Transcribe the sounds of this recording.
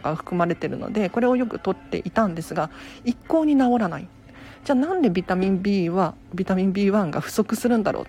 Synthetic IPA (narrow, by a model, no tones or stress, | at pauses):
kaɸɯ̟̥kɯ̟maɾe̞t̪e̞ɾɯ̟no̞̰d̪e̞ko̞ɾe̞o̞jo̞kɯ̟t̪o̞t̪ːe̞̰ʔit̪ãnd̪e̞sɨɡaikːo̞ːɲ̟inao̞ɾanai | d͡ʑaːnãnd̪e̞bʲit̪amʲĩmbʲiːβa | bʲit̪amʲĩmbʲiːβãŋɡaɸɯ̟̥so̞kɯ̟sɨɾɯ̟nd̪aɾʔo̰ːt̪